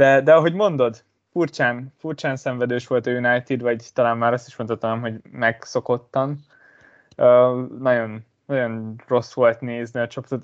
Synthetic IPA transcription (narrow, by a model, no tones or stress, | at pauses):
d̪ɛd̪ɛɒɦo̞ɟmo̞nd̪o̞d̪ | furt͡ʃaːnfurt͡ʃaːnsɛɱvɛd̪øːʃʋo̞lt̪ɒjunajt̪id̪ʋɒɟt̪ɒlaːnmaːɾɒst̪i̥ʃmont̪ɒt̪ɒnɛmɦo̞ɟmɛɡso̞ko̞t̪ːɒm | øːnɒjo̞n | nɒjo̞nro̞sʋo̞lt̪neːzniɒt͡ʃo̞po̥t̪ot̪